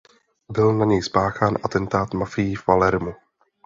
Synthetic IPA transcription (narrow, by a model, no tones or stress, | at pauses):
bɪlnaɲɛjspaːxaːnʔat̪ɛnt̪aːt̪mafɪjivvalɛɾmu